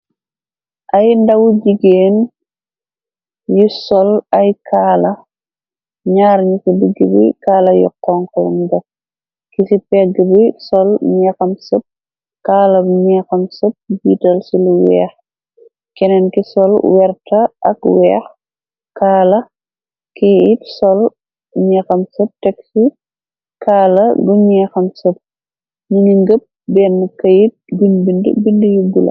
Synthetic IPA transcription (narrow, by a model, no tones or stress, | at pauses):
ʔɐjndɐwɟiɡeːn | jusɔlɐjkʰaːlɐ | ɲaːɾɲikidiɡːibḭkaːlɐjɔ̰kːɔŋkɔlmdɐ | kisipɛɡəbisɔlɲɛːxɐmsəp̚ | kaːlɐɲɛːxɐmsəp̚biːtɐlsiluwɛ̰ːx | kɛnɛnkisɔlwɛrtɐʔɐkwɛːx | kaːlɐ | kʰijitsɔl | ɲɛxɐmsəp̚tɛksi | kʰaːlɐduɲɛxɐmsəp̚ | niniŋɡəp̚ | bɛnːkɐjit̚binbində̰bindəjubulɐ̰